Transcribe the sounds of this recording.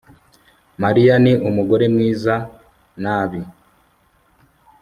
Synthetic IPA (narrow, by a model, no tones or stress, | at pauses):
maɾijaniʔumuɡo̞ɾe̞mŋiːza | naːβi